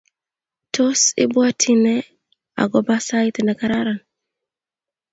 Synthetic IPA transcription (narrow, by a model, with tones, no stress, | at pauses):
tʰo˦sɪ̰˦bwa˦tʰi˦nɛ˦ | a̰˨ɡɔ˦ba˦sa˦i˦tɛnɛ˨ka˨ɾa˦ɾa˨n